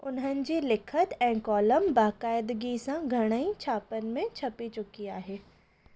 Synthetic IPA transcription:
ʊ̰nɦənɪ̆d͡ʑilɪkʰət̪ɛ̃ːkɔːləmbaːkaːɪd̪ɡisãɡʱɐɽ̃əit͡ʃʰaːpənmẽt͡ʃʰɐpit͡ʃʊkiaːɦeː

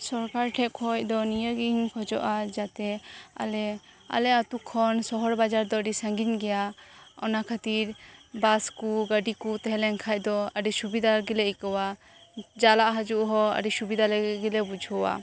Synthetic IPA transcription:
sɔɾkaɾʈʰɛkʰɔj̚d̪ɔnijəɡiɲkʰɔd͡ʒɔʔad͡ʒat̪ɛa̰lɛ | a̰lɛat̪ukʰɔnsɔɦɔɾbad͡ʒaɾd̪ɔəɖisəŋɡinɡɛjaɔnakʰat̪iɾbaskuɡəɖikut̪ɛɦɛlɛŋkʰac̚d̪ɔəɖisubid̪aɡilɛikɔwa | d͡ʒalaʔɦad͡ʒuʔɦɔə̰ɖisubid̪ʱalɛɡɛɡɛlɛbud͡ʒʱɔwa̰

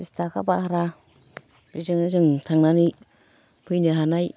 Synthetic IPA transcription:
istakʰabahaɾa | bizɯŋzɯŋtʰaŋnani | pʰɯjnɯɦanaj

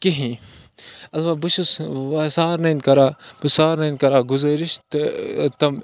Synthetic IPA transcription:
kiɦĩ | ɐlʋabuʃusʋɐsaːɾnɐnkɐɾaːbɨsaːɾnɐnkɐɾaːɡuzɐɾiʃt̪t̪ɐm

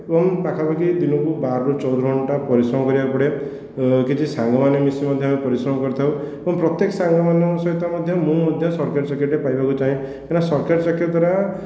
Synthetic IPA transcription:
ebɔŋpakʰapakid̪inɔkubaɾːot͡ʃɔwd̪ɾɔɦɔɳʈapɔɾisɾɔmɔkɔɾibapɔɽe | kit͡ʃʰisaŋɡɔmanemisimɔd̪ʱjʌamepɔɾisɾɔmɔkɔɾt̪ʰawebɔŋpɾɔt̪jeksaŋɡɔmanɔsɔit̪amɔd̪ʱjɔmũmɔd̪ʱjɔsɔɾkeɖsakeʈepajbakut͡ʃaɦĩ | kanasɔɾkeɾsakeʈd̪waɾa

